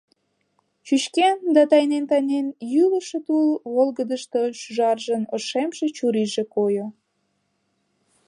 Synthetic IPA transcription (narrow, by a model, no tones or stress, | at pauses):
t͡ɕyʃkend̪ɑt̪ɑjnent̪ɑjnenjyləʃet̪ulβolɣəd̪əʃt̪oʃyʒɑrʒənoʃemʃe̽t͡ɕuɾiʒekojo